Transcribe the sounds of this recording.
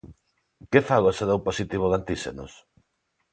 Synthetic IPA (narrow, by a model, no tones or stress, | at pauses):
kefaɣoesaðowposit̪iβoɣant̪iʃḛno̰s